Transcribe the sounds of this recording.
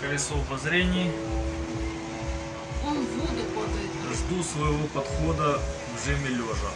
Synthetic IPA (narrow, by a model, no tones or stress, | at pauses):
kɐjʲɪsovɐzɾʲenʲɪj | onvod̪ɨkod̪ɐɐʐd̪usvɐjɪvopɐt̪xod̪ɐvʐɛmʲɪlʲoʐɐ